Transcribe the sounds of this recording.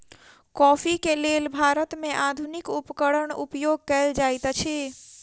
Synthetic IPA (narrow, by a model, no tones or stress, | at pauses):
kɔːpʰikelelbʱaɾət̪mẽʔad̪ʱunikupəkəɽəɳṵpjoɡ̚kəeld͡ʒajt̪t͡ʃʰe